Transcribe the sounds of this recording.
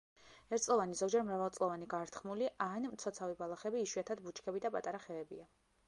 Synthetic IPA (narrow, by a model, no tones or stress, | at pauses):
ɛɾt̪sʼlˠɔvanizɔɡd͡ʒɛɾmɾavalˠsʼlˠɔvaniɡaɾt̪ʰχmuliʔanmt̪sʰɔt̪sʰavibalˠaχɛbiːʃwiat̪ʰad̪̚but͡ʃʰkʰɛbid̪apʼa̰t̪ʼaɾaχɛɛbia